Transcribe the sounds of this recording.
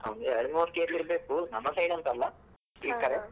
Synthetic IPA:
ɐ̰wnd̪eɐɾimoːt̪keːɾliɾbeːkunɐmːɐsɐjnɐnt̪ɐlːɐ | iːkːɐɾe

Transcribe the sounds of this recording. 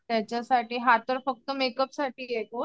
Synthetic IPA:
t̪ɛːt͡ʃasaːʈiɦat̪ːɔɾfək̚t̪omeːkəpsaʈieko

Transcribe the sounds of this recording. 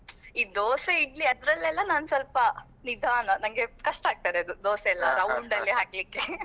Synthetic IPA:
iːd̪oːseiɡliɐd̪ɾɐlɛlːɐnaːnsɐlpɐ | nid̪ʱaːnɐnɐŋɡe̞kɐʂʈaːɡ̚t̪aːɾeɐd̪ud̪oːseɛlːɐɾɐwɳɖɐlːiɦaːɡlikːe

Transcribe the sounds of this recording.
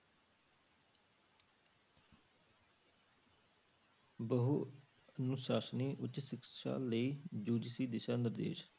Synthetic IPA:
bəɦu | ənʊʃaːsniːʔʊtːʃɪkʃa̰ːləiːd͡ʒuːd͡ʒsiːd̪ɪʃaːnɪɾd̪ḛːʃ

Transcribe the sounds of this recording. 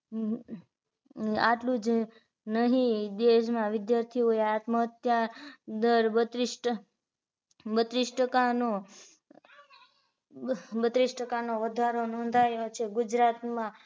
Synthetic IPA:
aʈlũd͡ʒ | nəɦĩd̪eʃ̬mãʋɪd̪jaɾt̪ʰioeat̪məɦət̪jad̪əɾbət̪ɾisʈ | bət̪ɾisʈəkano | bət̪ɾisʈəkanoʋəd̪ʱaɾonɔ̃nd̪ʱajot͡ʃʰeɡud͡ʒɾat̪mã

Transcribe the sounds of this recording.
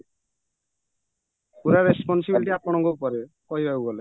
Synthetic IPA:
kuɾaɾespɔnsibilʈiapɔɽ̃ɔŋɡopɔɾe | kɔjbauɡɔle

